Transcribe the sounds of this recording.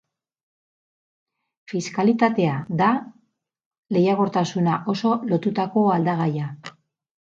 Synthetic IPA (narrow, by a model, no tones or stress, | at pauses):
fiskalit̪at̪e̞aða | le̞jaɣo̞ɾt̪asunaʔo̞so̞lo̞t̪ut̪ako̞ald̪aɣ̞aja